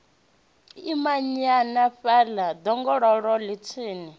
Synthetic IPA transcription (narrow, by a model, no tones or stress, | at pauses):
imaɲanaɸɛlad̪ɔŋɡɔɺɔɺɔlit͡sʰiːni